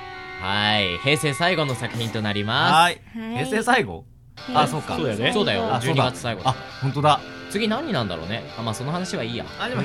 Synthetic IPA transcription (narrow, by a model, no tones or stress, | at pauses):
haihe̞ːse̞ːsaiɡo̞no̞sakɯ̟̥çĩnt̪o̞naɾʲimasiheːseːsaiɡo̞̰ | asoːka̰oːd̪esoːd̪ajoaʑoːɲ̟aɡat͡sɨ̥saiɡo̞̰ahõnt̪od̪at͡sɨɡʲinãɲ̟ːinãnd̪a̰ɾo̞̰ːne̞amaːso̞noɦanaɕiβaiːja̰aɾi